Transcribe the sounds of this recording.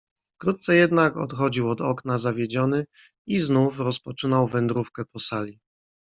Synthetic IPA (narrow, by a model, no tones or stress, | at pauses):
fkɾut̪̚t̪sɛjɛd̪nakɔ̰t̪xɔd͡ʑiwɔd̪ɔknazavʲjed͡ʑɔnɘ | iznufɾɔspɔt͡ʂɘnawvɛnd̪ɾufkɛpɔsalʲi